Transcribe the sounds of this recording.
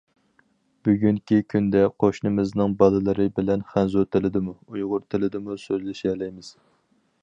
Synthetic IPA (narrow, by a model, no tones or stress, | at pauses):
b̥yɡʲyŋkʲikʲʰynd̪ɛqʰoʃnɨmɪznɨŋbɑlˠɨlˠɨɾɨbɪlɛnχænzut̪ʰɪlɪd̪ɪmuujʁʊɾt̪ʰɪlɪd̪ɪmusøzlɪʃiɛlɛjmɪz̥